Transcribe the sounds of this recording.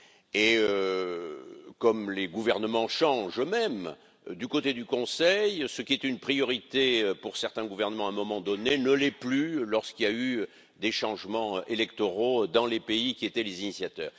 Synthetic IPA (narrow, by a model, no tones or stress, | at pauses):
eø | kɔmleɡuvɛʁnəmɑ̃ʃɑ̃ʒmɛm | d̪ykot̪ed̪ykɔ̃sɛjsəkʲiɛt̪ynpχijɔʁit̪eøpuʁsɛʁt̪ɛ̃ɡuvɛʁnəmɑ̃ɛ̃mɔmɑ̃d̪ɔnenəlɛplylɔʁskiljay | d̪eʃɑ̃ʒmɑ̃ʔelɛkt̪oʁod̪ɑ̃lepeikʲiet̪ɛlezinisjat̪œ̰ːʁ